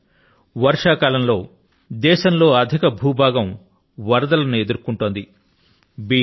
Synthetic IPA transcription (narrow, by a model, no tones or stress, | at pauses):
ʋɐɾʂaːkaːlɐmlo̞ː | d̪ɛːʃɐmlo̞ːɐd̪ʱikɐbʱuːbʱaːɡɐm | ʋɐɾd̪ɐlɐnue̞d̪uɾkuɳʈoːnd̪i | biː